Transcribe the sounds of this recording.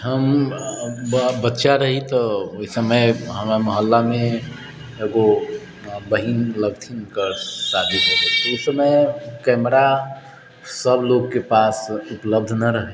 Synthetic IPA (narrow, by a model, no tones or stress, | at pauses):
ɦəm | bət̪ːʃaɾəɦit̪ɔoisəməjɦəmaməɦəlːamẽ | eɡo | bəɦinləɡt̪ʰinkəɾsad̪ʱiɦoɾət̪usəməjkɛmɾa | səbloɡkepasupləb̚d̪ʱnəɾəɦɛ